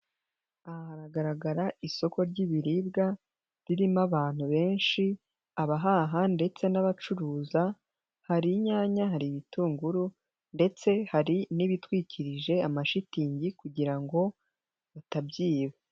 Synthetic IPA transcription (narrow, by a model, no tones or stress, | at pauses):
ahaɾaɡaɾaɡaɾaiso̞ko̞ɾɟiβiɾibɡa | ɾiɾimaβaːn̥huβe̞ːnʃi | aβaɦaɦande̞t͡se̞naβat͡ʃuɾuːza | haɾiɲaːɲaɦaɾiβituːŋɡuɾu | nde̞t͡se̞haɾiniβitwiːcʰiɾiʒe̞amaʃitiːɲɟikuɟiɾaŋɡo̞ | βatabɟiːβe